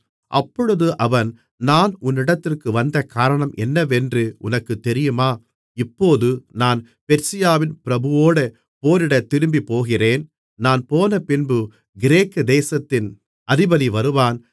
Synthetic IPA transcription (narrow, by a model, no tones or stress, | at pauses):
ʔɐ̰pːɔɻɯðɯʔɐʋɐn | naːnʊnːɪɽɐt̪ːɪrkɯʋɐnd̪ɐkaːɾɐɳɐmʔɛnːɐʋɛndrɯʔʊ̰nɐkːɯt̪ːɛɾɪjɯmaː | ɪpːoːðɯnaːn | pɛɾsɪjaːʋɪnpɪɾɐbɯʋoːɽɐ | poːɾɪɽɐt̪ːɪɾɯmbipoːɣɪreːn | naːnpoːnɐpɪnbɯ | ɡɪɾeːkːɯd̪eːsɐt̪ːɪn | ʔɐðɪbɐðiʋɐɾɯʋaːn